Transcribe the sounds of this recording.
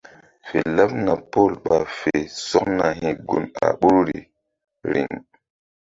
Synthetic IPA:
fe˨la˦pna˨po˦˨lɓa˨fe˨sɔ˦kna˨hĩ˨ɡu˨na̰˨ɓu˦ɾɾi˨ | ɾḭ˨ŋ

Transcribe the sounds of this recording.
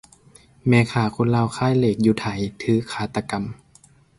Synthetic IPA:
mɛː˧˦kʰaː˧˩˦kʰo˧˥˨nla˧˨wkʰaː˧˥˨jleː˧˩k̚juː˧˦t̪ʰa˨˩˦jt̪ʰɯː˧˦kʰaː˧˩˦t̪a˧ka˧˨m

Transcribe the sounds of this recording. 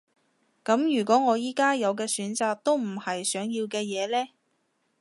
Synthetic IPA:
kɐ˨˥mjyː˨˩kʷɔː˨˥ŋɔː˨˧jiː˥kaː˥jɐ˨˧wkɛː˧syː˨˥nt͡saː˨˧k̚t̪o˥wm̩˨˩hɐ˨jsœː˨˥ŋjiː˧wkɛː˧jɛː˨˧lɛː˥

